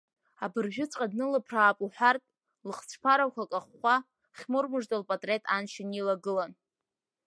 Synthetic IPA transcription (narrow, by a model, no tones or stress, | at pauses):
abɨrʒᶣʊt͡sʷʼqʼadnɨlɨpʰraːpʼuħʷᶣartʼ | lɨχt͡sʷʰpʰaɾawkʷʰakʼaχːʷa | χʲmurmɨʐdʼalpʼatʼre̞tʼanʃɪnilaɡɨlan